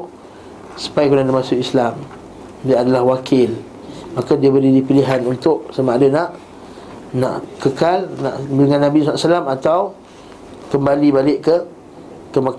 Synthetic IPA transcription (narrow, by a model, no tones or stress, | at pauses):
sə̥pajkunadamasʊʔislam | diaadalahwakʰɪl | makadiabəlidipiliɦanunt̪ʊʔsamaʔadənaʔ | na̰ʔkəkalna̰ʔdəŋãnːabisaasəlamat̪aw | kəmbalibalɪʔkə | kəma